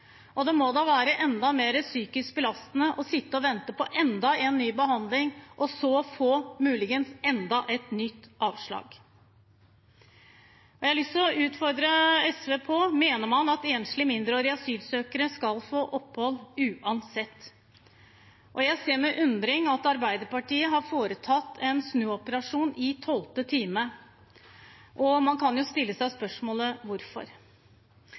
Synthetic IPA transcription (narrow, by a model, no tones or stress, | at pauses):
ʔɔd̪ɛmɔd̪ɑːʋæːɾəʔɛnd̪ɑmeːɾəsyːkɪsk̚bɪlɑst̪nəʔɔsɪt̪ːəɔʋɛnt̪əpɔʔɛnd̪ɑeːnːyːbəɦɑnd̪lɪŋʔɔsɔfoːmʉːlɪɡənsɛnd̪ɑʔɛt̪nʏt̪ːɑːʋʂɭɑ̰ːɡ | ɔjæɪlʏsɔʔʉːt̪fɔɾd̪ɾəɛsʋepʰoːmeːnəɾmɑnɑt̪eːnslɪmɪnd̪ɾəoːɾɪɑsyːlsøːkəɾəskɑlfoːʔɔpːhɔlʉːʔɑnsɛt̪ː | ʔɔjæɪseːɾmɛʔʉnd̪ɾɪŋɑt̪ɑɾbæɪd̪əɾpɑʈiːəɦɑɾfoːɾət̪ʰɑt̪ːɛnsnʉːɔpəɾɑʂuːnɪt̪ʰɔlt̪ət̪ʰiːmə | ʔɔmɑnkʰɑnjʊst̪ɪlːəsæɪspœʂmoːləʋʊɾfɔ̰ɾ